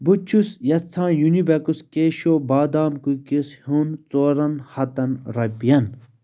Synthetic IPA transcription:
but͡ʃʰusjɐt͡sʰːãːjunibɐkuskeːʃoːbaːd̪aːmkukishunt͡soːɾɐnhɐt̪ɐnɾɐpijɐn

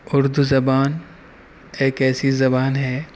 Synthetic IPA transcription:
ʊɾd̪uzɐbaːn | eːkɛːsizɐbaːnɦɛː

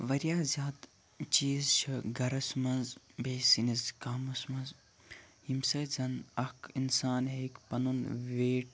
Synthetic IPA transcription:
ʋɐɾjaːzʲaːd̪ | t͡ʃiːzt͡ʃʰiɡɐɾɐsmɐnzbʱeːsinizkaːmɐsmɐnz | himsɐjzɐnɐkinsaːnɦeːkpɐnunʋeːʈ̚

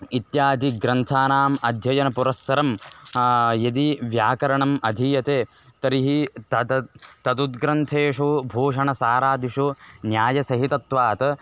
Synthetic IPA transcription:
it̪jaːd̪ʱiɡɾɐnt̪ʰaːnaːmɐd̪ʱjɐjɐnɐpuɾɐsːɐɾɐm | jɐd̪iʋjaːkɐɾɐɳɐmɐd̪ʱijɐt̪eː | t̪ɐɾiɦiɐt̪ɐd̪ud̪̚ɡɾɐnt̪ʰeːʂubʱoːʂɐɳɐsaːɾaːd̪ʱiʂunjaːjɐsɐɦit̪ɐt̪ʋaːt̪ɐ

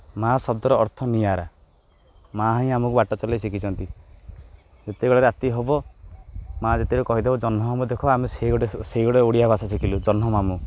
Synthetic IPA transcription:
masɔbd̪ɔɾɔːɾt̪ʰɔnijaɾa | maɦɔĩamɔkubaʈɔt͡ʃɔlajsikʰit͡ʃʰɔnt̪i | d͡ʒet̪eɡɔɭaɾeat̪iɦɔbɔ | mad͡ʒet̪eɾukɔɦid̪ebɔd͡ʒɔnɦɔɦɔbɔd̪ekʰɔameseɽeseiɡɔɽeoɽijabʱasas̬ikʰilud͡ʒɔnɦɔmamu

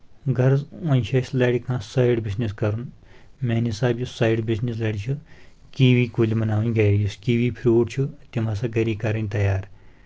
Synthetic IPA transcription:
ɡɐɾzɐ̃nʲt͡ʃʰɐslɐɽikãːsɐːjɽbisniskɐɾun | meːnisaːbjusaːjɖbisnislɐɽit͡ʃʰu | kiːʋiːkulimɐnaːʋunʲɡɐɾijuskiːʋipʰɾʲuːʈt͡ʃʰut̪imaːs̬ãɡɐɾiːkɐɾɐnʲt̪ɐjaːɾ

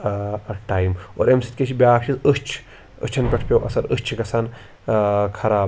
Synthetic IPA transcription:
ʈaːjimo̰ːɾemsit̪̚ʲkʲet͡ʃʰibʲaːkt͡ʃʰizəst͡ʃʰ | ə̰t͡ʃʰɐnpʲɐʈʰpʲewʔɐsɐɾəst͡ʃʰɡɐsʰɐn | kʰɐɾaː

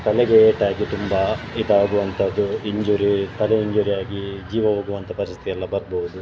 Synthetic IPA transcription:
t̪ɐlɛɡeeːʈaːɡit̪umbɐid̪aːɡuʋɐnt̪ʰɐd̪ːuiɲd͡ʒuːɾit̪ɐlɛiɲd͡ʒuːɾijaːɡid͡ʒiːʋɐʋoːɡuʋɐnt̪ʰɐpɐɾist̪t̪iɛlːɐbɐɾboud̪u

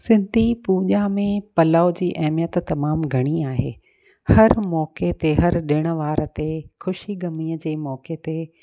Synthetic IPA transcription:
sɪ̃nd̪ʱipuːʄamẽpɐlaːʊd͡ʑiːʔɐɦɪmijət̪ːɐmaːmɡʱɐɽ̃iaːɦḛː | hɐɾmɔːket̪eɦɐɾɗɪɽ̃ə̆ʋaːɾə̆t̪exʊʃiɡɐmiːəd͡ʑeːmɔːket̪e

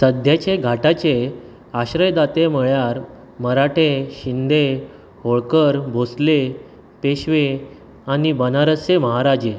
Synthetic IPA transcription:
səd̪ʱjat͡ɕeɡʱaʈat͡ɕe | aɕɾəjd̪at̪eməɭjaɾ | məɾaʈʰeɕind̪e | ɦoɭkəɾbʱosle | peɕʋe | anibənaɾət͡seməɦaɾad͡ʑe

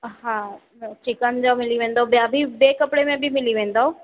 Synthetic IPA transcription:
ɦã | ʈʰikand͡ʑamɪliʋẽːn̆d̪aobjabʱibeːkɐpɽemẽbʱimɪliʋẽːnd̪aɦo

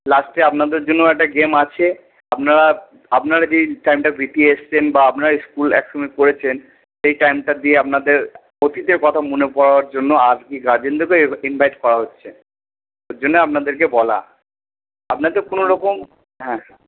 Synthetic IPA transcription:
lasʈaapnad̪eɾd͡ʑonːoɛk̚ʈaɡemat͡ɕʰe | ap̚naɾa | apnaɾad͡ʑeʈajmʈabʱit̪ieʃt͡ɕʰenbaapnaɾaiskulɛ̰kʃomikoɾet͡ɕʰen | ʃejʈajmʈad̪ieap̚nad̪eɾ | ot̪it̪eɾkɔt̪ʰamonepɔɾaaɾd͡ʑonːoad͡ʑkiɡaɾd͡ʑend̪okeinbʱajʈkɔɾaɦotːɕʰe | oɾd͡ʑonːeap̚nad̪eɾkebɔla̰ | apnad̪eɾkonoɾɔkom | ɦɛ̃

